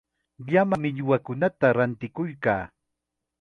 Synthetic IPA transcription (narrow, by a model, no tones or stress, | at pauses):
ʎamamɪʎʊwakʊnat̪aɾant̪ɪkʊjkaː